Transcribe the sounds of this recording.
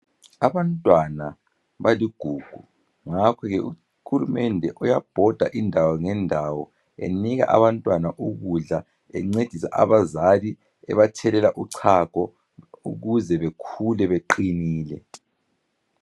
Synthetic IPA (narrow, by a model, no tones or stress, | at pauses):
aβantʼwana | βaliɡ̥ʱuːɡ̥ʱu | ŋakʰɔɣɛʔu | hulumɛndʱɛʔɔjab̥ʱɔd̥ʱaʔindʱawɔŋɛndʱawɔ | ḛniɣa̰ʔa̰βantʼwanaʔuɣuɮa | ɛ̰ŋ͡ǀed̥ʱisa̰ʔa̰βazali | ɛ̰βatʰɛlɛlaʔuǀʰakɔ | uɣuzɛβekʰulɛβeǃiniːlɛ̰